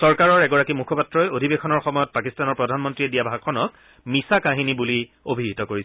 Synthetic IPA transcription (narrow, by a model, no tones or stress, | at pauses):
sɔɹkaɹɔɹɛɡɔɹakimukʰɔpatɹɔjodʱibexʰɔnɔɹxɔmɔjɔt̚pakistanɔɹpɹɔdʱanmɔntɹiɛdijabʱaɡʰɔnɔk̚ | misakaɦinibuli | obʱiɦitɔkoɹi